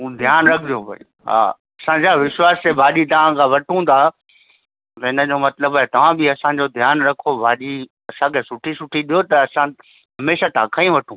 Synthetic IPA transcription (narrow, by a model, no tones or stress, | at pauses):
ũːd̪ʱjaːnɾɐkʰd͡ʑopɐ̰̃ | ɦa̰ː | ɐsãd͡ʑaʋɪʃwaːst̪ebʱaːɗit̪ɐʋ̤ãkʰãːʋɐʈʰũd̪ʰaː | ɦɪnə̆d͡ʑoːmɐt̪ləbɦɛt̪ɐʋ̤ãbɪɐsãɲd͡ʑod̪ʱjaːnɾɐkʰobʱaːɗi | ɐsãkʰesʊʈʰisʊʈʰiɗijot̪ɐːsã | ɦɐmeːʃat̪ʰã̰ːkʰãĩʋɐʈʰũː